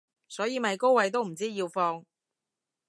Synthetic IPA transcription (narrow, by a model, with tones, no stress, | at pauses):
sɔː˨˥jiː˨˧mɐ˨˧jko˥wɐ˨˥jt̪o˥wm̩˨˩t͡siː˥jiː˧wfɔː˧ŋ